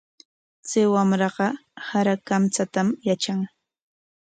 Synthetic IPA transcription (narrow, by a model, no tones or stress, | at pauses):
t͡sɪwamɾɑɢɑhaɾakamt͡sat̪amjat͡ʃaŋ